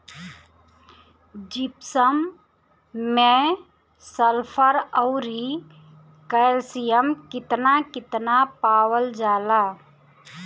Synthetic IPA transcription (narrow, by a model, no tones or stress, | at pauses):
d͡ʒipsəmː | ẽ | səlpʰəɾəʊɾi | kəlsijəmkɪt̪nakɪt̪napaːwəld͡ʒaːla